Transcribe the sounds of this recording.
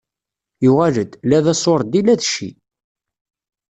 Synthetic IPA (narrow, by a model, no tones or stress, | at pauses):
juʁæləd̪læðæsˤoɾˤd̪ilæðʃḭ